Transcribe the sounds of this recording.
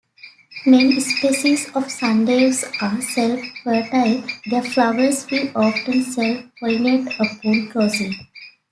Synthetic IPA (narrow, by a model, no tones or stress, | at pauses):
mẽnispeːsizɔːʋsãnɖeːsaːɾselffəɾʈaɪd̪əflaʋəɾsʋiːʔɔːfʈə̃nselfpɔ̃ɪneʈəpoːlkɾɔːsi